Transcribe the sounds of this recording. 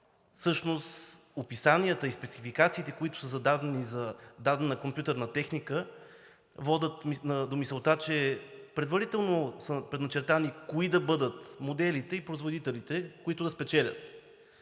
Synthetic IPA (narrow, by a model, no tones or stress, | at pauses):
fsɤʃnost̪ | opisanʲiət̪əispɛt̪sifikat̪siːt̪ɛkoit̪ʊ̥səzɐd̪ad̪ɛnizɐd̪ad̪ɛnnɐkompʲjut̪əɾnɐt̪ɛxnikə | vɔd̪ʲət̪minəd̪omisɛlˠt̪at͡ʃɛpɾɛd̪vɐɾit̪ɛlˠnosəpɾɛd̪nɐt͡ʃɛɾt̪anikoid̪ɐbɤd̪ət̪mod̪ɛlit̪ɛipɾoizvod̪it̪ɛlit̪ɛkʊit̪ʊd̪ɐspɛt͡ʃɛlʲə̰t̪